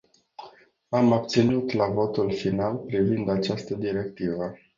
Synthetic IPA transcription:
amab̚t̪sinut̪lavo̞t̪ulfinalpɾivind̪at͡ʃast̪əd̪iɾe̞kt̪ivə

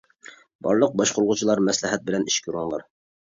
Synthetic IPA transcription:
bɑ̰ɾlˠɤq̚bɑʃqoɾlˠʁʊt͡ʃʰɨlˠɑɾmæslæɦɛt̪̚bɪlɛniʃkʲuɾɑnlˠɑɾ

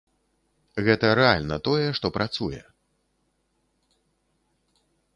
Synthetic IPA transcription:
ɣɛt̪ɐɾɛa̰lʲnɐt̪ɔjɛʂt̪ɔpɾʔat̪sujɛ̰

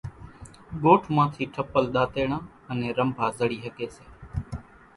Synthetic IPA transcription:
ɠoːʈʰmãːt̪ʰiːʈʰəpːəlɗ̪aːt̪eːɳãː | ənẽːɾəmbʱaːzəɽiːɦəkeːseː

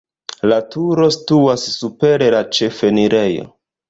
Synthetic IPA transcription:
latuɾo̞stuasːupe̞ɾe̞lat͡ʃe̞feniɾe̞jo̰

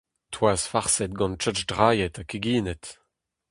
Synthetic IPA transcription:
tʰwaːzfaʁsɛt̚ɡɑ̃nt͡ʃœt͡ʃdʁaːjɛtakiɡiːnɛt

